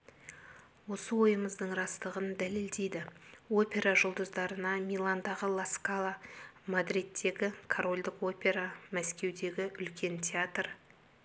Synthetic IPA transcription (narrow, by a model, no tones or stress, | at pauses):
wo̞səwo̞jəməzd̪əɴrɑst̪əʁənd̪æle̞ld̪e̞jd̪ɪwo̞pʲe̞ɾaʒʊlˠd̪əzd̪ɑɾənɑmʲijlˠand̪ɑʁəlˠaskalˠamad̪ɾʲit̪ʰːe̞ɡʲɪkʰoɾo̞lʲd̪ɪko̞pʲe̞ɾamæskʲe̞wd̪e̞ɡʲɪʔʏlkʲʰe̞nt̪ʲʰeat̪r